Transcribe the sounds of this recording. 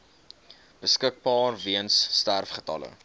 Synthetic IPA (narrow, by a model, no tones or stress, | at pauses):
b̥əskək̚bɑːrviənsːtærfχətɐ̰lə̰